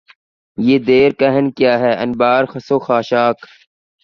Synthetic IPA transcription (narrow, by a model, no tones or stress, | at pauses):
jeːd̪eːɾkɐɦənkjaːɦɛːʔɐ̰nbaːɾxɐsoːxaːʃaːk